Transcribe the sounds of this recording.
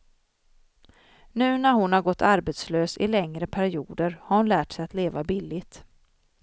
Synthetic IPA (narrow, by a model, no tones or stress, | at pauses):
nʉ̟ːnæɾhʊnhaɾɡɔt̪ʰːaɾbɛt̪sløːsɪ̰lɛŋɾəpʰæɾɪuːd̪əɾhaɾhʊnlæːʈsɛjat̪leːvabɪlːɪt̪